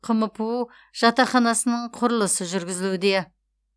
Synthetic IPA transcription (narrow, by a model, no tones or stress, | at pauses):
qʰəməpuu | ʒ̥ɑt̪ɑχɑnɑsənəɴqʰʊɾəlˠəsəʒʏɾɡʲɪzɪlud̪e̞